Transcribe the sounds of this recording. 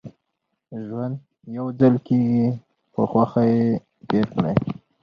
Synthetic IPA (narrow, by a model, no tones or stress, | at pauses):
ʒwand̪ | jawd͡zalkeɡi | pəxwaxaje | beɾkɽa̰j